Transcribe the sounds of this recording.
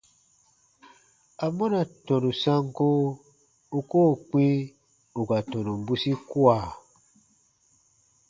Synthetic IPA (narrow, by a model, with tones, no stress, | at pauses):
a˨mɔ̃˦nã˨tɔ̃˨nũ˨sã˧ŋko˦ | u˨ko˦˨k͡pĩ˦ | u˨ɡa˨tɔ̃˨nũ˨bu˦si˦kwa˨